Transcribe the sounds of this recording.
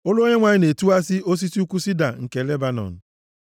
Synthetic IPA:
ʊ˦lo˦ɲe˦ŋʷa˨ɲɪ˦ne˨tu˦a˦si˦o˦s̬i˦si˦u˦ku˦si˦da˨ŋ̩˨ke˨le˦ba˨nɔ̰˨n̩˨

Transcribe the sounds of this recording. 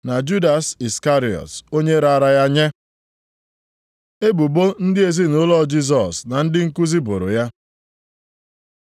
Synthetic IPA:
na˨d͡ʒu˦da˨si˨ska˦ɾi˨ɔ̰˨to˦ɲe˦ɾa˦˨a˦ɾa˦ja˦ɲe˦ | e˦bu˨bo˦n̩˦dɪ˦e˨zi˦nʊ˦lɔ˦d͡ʒi˦s̬ɔ˨sna˨n̩˦dɪ˦ŋ̩˦ku˦zi˦bo̰˨ɾo̰˨ja˦

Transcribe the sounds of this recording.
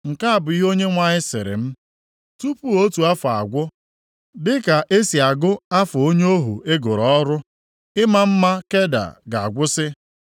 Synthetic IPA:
ŋ̩˨ka˦a˦˨bʊ˨i˦ɦo˦ɲe˦ŋʷa˦˨ɲɪ˦sɪ̰˨ɾɪ̰˨m̩˦ | tu˦pu˦o˦tu˨a˦fa̰˨ɡʷʊ˦ | dɪ˦ka˨ʔe˦si˨a˨ɡʊ˦a˦fʊ˨o˦ɲ˦o˦ɦṵ˨e˦ɡʊ˨ɾɔ˦ɾʊ˦ | ɪ˦ma˦m̩˦ma˦ke˦da̰˨ɡa˨a˨ɡʷʊ˦sɪ˦

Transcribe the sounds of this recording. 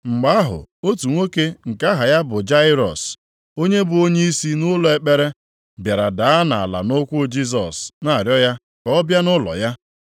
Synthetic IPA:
ŋ͡m̩˨ɡ͡ba˦ɦʊ̰˨o˦tu˨ŋʷo˦ke˦ŋ̩˨ka˦ɦa˨ja˦bʊ˨d͡ʒa˦ɪ˦ɾɔ̰˨s | o˦ɲe˦bʊ˨o˦ɲe˦i˦si˦nʊ˦lɔ˨e˨k͡pe˦ɾe˦ | bja˨ɾa˨da˨a˦na˨a̰˨la̰˨no˦kʷʊ˦d͡ʒi˦s̬ɔ˨sna˦a˨ɾjɔ˦ja˦ | kɔ˨ɔ˦bja˦nʊ˦lɔ̰˨ja˦

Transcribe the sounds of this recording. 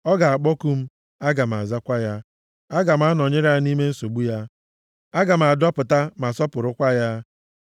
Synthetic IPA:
ɔ˦ɡa˨a˨k͡pɔ˦ku˦m̩˦ | a˦ɡa˨m̩˨a̰˨za˦kʷa˦ja˦ | a˦ɡa˨m̩˦a˦nɔ˨ɲɪ˦ɾa˦ni˦me˦n̩˦so˨ɡ͡bu˦ja˦ | a˦ɡa˨m̩˨a˨dɔ˦pʊ˨ta˦ma˨sɔ˦pʊ˨ɾʊ˦kʷa˦ja˦

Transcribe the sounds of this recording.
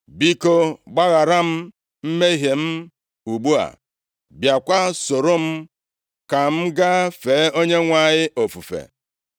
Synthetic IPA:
bi˦ko˦ɡ͡ba˦ɣa˨ɾa˦m̩˦ | m̩˦me˦ɦe˨m̩˦ | u˨ɡ͡bu˦a̰˨ | bja˨kʷa˦so˨ɾo˦m̩˦ | ka˨m̩˦ɡa˦fe˨˦o˦ɲe˦ŋʷa˦˨ɲɪ˦o˨fu˨fḛ˨

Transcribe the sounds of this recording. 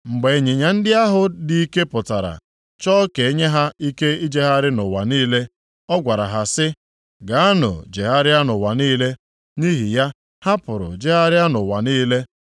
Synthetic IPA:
ŋ͡m̩˨ɡ͡be˨e˨ɲe˨ɲa˨n̩˦dɪ˦a˦ɦʊ˨dɪ˦i˦ke˦pʊ˨ta˨ɾa̰˨ | t͡ʃɔː˦ke˨e˦ɲe˦ɦa˦i˦ke˦i˦d͡ʒe˦ɦa˦ɾɪ˦nʊ˨wa˨niː˦le˦ | ɔ˦ɡʷa˨ɾa̰˨ɦa˨sɪ˦ | ɡa˨a˦nʊ̰˨d͡ʒe˨ɦa˦ɾɪ˦a˦nʊ˨wa˨niː˦le˦ | ni˦ɦi˨ja˦ | ha˦pʊ˨ɾʊ̰˨d͡ʒe˦ɦa˦ɾɪ˦a˦nʊ˨wa˨niː˦le˦

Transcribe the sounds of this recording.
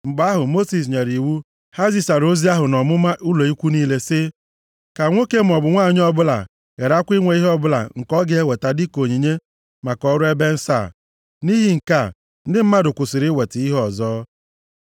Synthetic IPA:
ŋ͡m̩˨ɡ͡ba˦ɦʊ˨mo˦si˨s̬ɲe˨ɾi˨wu˦ | ha˦zi˨sa˨ɾo˦zi˦a˦ɦʊ˨nɔ˨mʊ˦ma˦ʔʊ˦lo˨i˦kʷu˦niː˦le˦sɪ˦ | ka˨ŋʷo˦ke˦m̩˨ɔ˨bʊ˨ŋʷa˦˨ɲ˦ɔ˦bʊ˦la̰˨ | ɣe˨ɾa˦kʷi˦ŋʷe˨i˦ɦɔ˦bʊ˦la̰˨ŋ̩˨kɔ˦ɡe˦e˦we˨ta˨dɪ˦ko˨ɲi˨ɲe˦ | ma˨kɔ˦ɾʊ˦e˦be˦n̩˦sa̰˦˨ | ni˦ɦi˦ŋ̩˨ka˦˨ | n̩˦dɪ˦m̩˦ma˦dʊ˨kʷʊ˨sɪ˨ɾɪ˦we˨tɪ˨i˦ɦɔ˨zɔː˦

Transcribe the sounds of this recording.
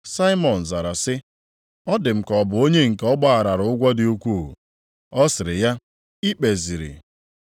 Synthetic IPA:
sa˦ɪ˦mɔ˨n̩˨za˨ɾa˨sɪ˦ | ɔ˦dɪ˨m̩˨kɔ˨bʊ˨o˦ɲe˦ŋ̩˨kɔ˦ɡ͡ba˦a˨ɾa˨ɾʊ˨ʊ˦ɡʷa˦dɪ˦u˦kʷu˦˨ | ɔ˦sɪ˨ɾɪ̰˨ja˦ | i˦k͡pe˨zi˨ɾḭ˨

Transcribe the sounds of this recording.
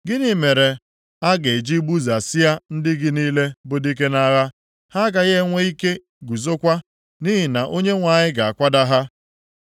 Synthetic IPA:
ɡɪ˦ni˨me˨ɾe˨ | a˦ɡe˨d͡ʒi˦bu˦za˨sɪ˦ja˦n̩˦dɪ˦ɡɪ˦niː˦le˦bʊ˦di˦k̬e˦na˦ɣa˦ | ha˦ɡa˨ɣe˦ŋʷe˦i˦ke˦ | ɡu˨zo˦kʷa˦ | ni˦ɦɪ˨na˨ʔo˦ɲe˦ŋʷa˨ɲɪ˦ɡa˨a˨kʷa˦da˦ɦa˦

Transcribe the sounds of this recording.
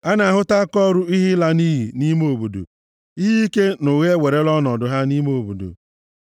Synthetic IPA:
a˦na˨ɦʊ˦ta˦kɔ˦ɾu˦i˦ɦɪ˦la˦ni˦ɦi˨ni˦mo˨bu˨do̰˨ | i˦ɦi˦i˦ke˦no˨ɣe˦we˨ɾe˦lɔ˦nɔ˨dʊ˨ɦa˦ni˦m˦o˨bu˨do̰˨

